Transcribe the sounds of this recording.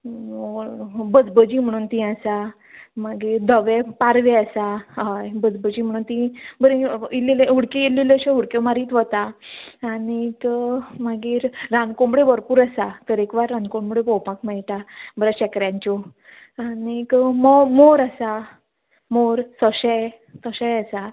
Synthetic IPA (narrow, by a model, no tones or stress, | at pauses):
obəd͡zbəd͡ʑiːm̤əɽ̃uːnt̪ĩasa | maɡiːɾd̪ʱəʋepaɾʋeəsaɦajbəd͡zbəd͡ʑiːm̤əɽ̃uːnt̪ĩbəɾẽileleuɽkeileleɕeɦuɽkemaɾiːt̪ʋət̪aː | ñikmaɡiːɾːãnkõmbɽebəɾpuːɾasat̪əɾekʋaɾːankõmbəɽebɔwpakmɛɭʈabəɾəɕɛkɾjãɲt͡ɕɔ | anikmomoɾasa | moɾsəɕəj | t̪əɕəjasa